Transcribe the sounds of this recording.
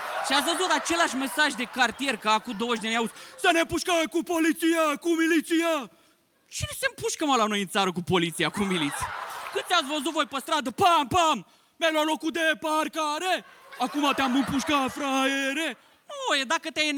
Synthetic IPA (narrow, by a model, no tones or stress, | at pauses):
ʃiat̪svəzut̪at͡ʃe̞laʃme̞saʒʲd̪e̞kart̪ije̞rkəakud̪owəʒd̪eanʲjausʲsənepuʃkəkupolit̪sijakumilit̪sija | t͡ʃinesempuʃkəmalano̞jɨnt̪saɾəkupo̞lit̪sijakumilit̪sijakɨnt̪eat̪svəzut̪vo̞jpəst̪ɾad̪əpampam | melalokut̪̚d̪eparkaɾeakumat̪eamɨmpuʃkafɾaeɾe | nujed̪akət̪ejn